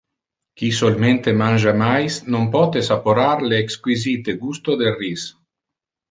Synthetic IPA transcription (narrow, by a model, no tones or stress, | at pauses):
kisolment̪emanʲd͡ʒamajsnompɔt̪esapoɾaɾleːkskwizit̪eɡust̪od̪elris